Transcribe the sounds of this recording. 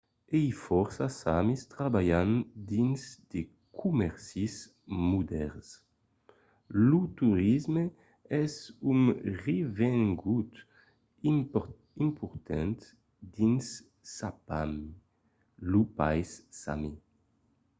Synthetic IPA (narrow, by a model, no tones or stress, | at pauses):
ejfɔɾsasamist̪ɾabajand̪inzd̪̥e | kʰumɛɾsis | mud̪ɛɾs | lut̪uɾizme | ɛzuŋrevɛŋɡut̪ | i | impʰuɾt̪ʰɛnt̪ | d̪ins | sapam | lupa̰jsːa̰mi